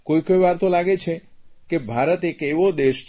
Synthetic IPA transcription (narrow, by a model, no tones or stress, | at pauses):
kojkojʋaɾt̪olaɡet͡ʃʰekebʱaɾət̪ekeʋod̪eʃ